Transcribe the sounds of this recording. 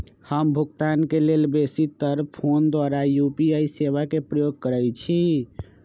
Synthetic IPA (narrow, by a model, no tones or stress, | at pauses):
həmbʱukt̪ankelelbesit̪əɾpʰond̪waɾajupiaiseβakepɾəjoɡ̚kəɾɛjt͡ʃʰi